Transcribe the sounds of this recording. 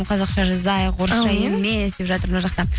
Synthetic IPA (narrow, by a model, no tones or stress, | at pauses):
mqʰɑzɑqʃɑʒəzɑjqʰoɾʃɑje̞mːesd̪e̞pʒɑt̪əɾnɑʒɑqt̪ɑ